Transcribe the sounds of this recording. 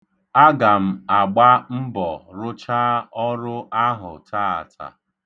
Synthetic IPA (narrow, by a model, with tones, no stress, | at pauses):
a˦ɡa˨m̩˨a˨ɡ͡ba˦m̩˦bɔ˨ɾʊ˦t͡ʃa˦ɔ˦ɾʊ˦a˦ɦʊ̰˨taː˦a̰˨tʰa̰˨